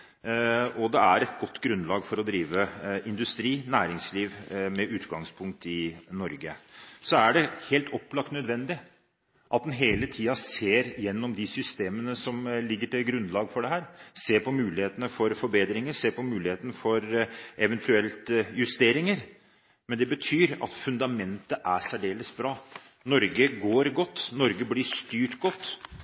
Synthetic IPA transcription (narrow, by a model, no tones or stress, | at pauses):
ɔd̪ɛæɾɛt̪̚ɡɔt̪ːɡɾʉnlɑːɡfɔɾɔd̪ɾiːʋəʔɪnd̪ʉst̪ɾiːnæːɾɪŋsliːʋmɛʔʉːt̪ɡɑŋspʰʊŋk̚t̪ɪnɔɾɡəsɔæɖɛheːlt̪ʰɔpːlɑk̚t̪nœd̪ʋɛnd̪ɪ | ʔɑt̪̚d̪ɛnɦeːlət̪ʰiːɑseːɾjɛnːɔmd̪ɪsʏst̪eːmənəsɔmlɪɡːəʈɪlɡɾʉnlɑːɡəfɔɖɛɦæːɾseːpɔmʉːlɪheːt̪ənəfɔɾfɔɾbeːd̪ɾɪŋəɾseːpɔmʉːlɪheːt̪ənəfɔɾɛʋɛnt̪ʰʉɛlt̪jʉst̪eːɾɪŋəɾ | mɛnd̪ɛbət̪ʰyːɾɑ̰t̪fʉnd̪ɑmɛnt̪əʔæsæɖeːləsbɾɑː | nɔɾɡəɡoːɾɡɔt̪ːnɔɾɡəblɪʂt̪yːʈɡɔt̪ː